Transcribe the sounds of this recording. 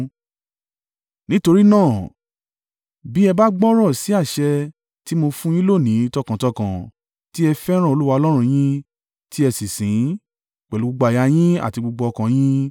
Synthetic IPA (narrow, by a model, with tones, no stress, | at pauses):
nĩ˦to˧ɾi˦nãː˦˨ | bi˦ɛ˧ba˦ɡ͡bɔ˦ɾ̃ɔ˦˨si˨˦a˦˨ʃɛ˧ | ti˦mo˧fũ˦j̃ĩ˦lo˦˨nĩ˨˦˧tɔ˧kã˨tɔ˧kã˨ | ti˦ɛ˧fɛ˦ɾ̃ã˦˨o˧lu˦wa˧ɔ˧lɔ˦ɾ̃ũ˧j̃ĩ˦ | ti˦ɛ˧sĩ˨sĩ˨˦ | k͡pɛ˨lu˨˦ɡ͡bu˧ɡ͡ba˧˨ja˧j̃ĩ˦a̰˦˨ti˧ɡ͡bu˧ɡ͡bɔ˧ɔ˧kã˨j̃ĩ˦